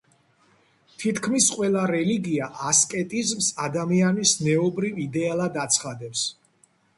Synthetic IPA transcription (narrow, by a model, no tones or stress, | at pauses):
t̪ʰit̪ʰkʰmisqʼwɛlˠaɾɛliɡiaʔaskʼɛt̪ʼizmsad̪amianisnɛɔbɾivid̪ɛalˠad̪at̪sʰχad̪ɛps